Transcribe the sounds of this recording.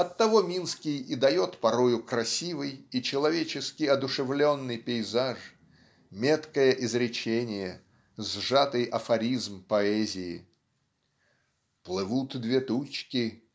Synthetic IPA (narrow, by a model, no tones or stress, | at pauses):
ɐt̪ːɐvo̞mʲinskʲɪjid̪ɐjo̞t̪pɐɾo̞jʊkɾɐsʲivɨjit͡ɕɪlˠɐvʲet͡ɕɪskʲɪjɐd̪ʊʂɨvlʲo̞nːɨjpʲɪɪzaʂ | mʲe̞t̪kəjəʔɪzɾʲɪt͡ɕenʲɪjə | zʐat̪ɨjɐfɐɾʲizmpɐɛzʲɪɪ | plˠɨvut̪d̪vʲe̞t̪ut͡ɕkʲɪ